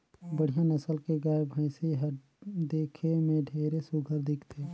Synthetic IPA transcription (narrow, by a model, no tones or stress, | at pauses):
bəɽ̤ijãnəsəlkeɡaːebʱə̃ɪsiɦə | d̪eːkʰemẽɖʱeːɾesʊɡʱəɾd̪ɪkt̪ʰeː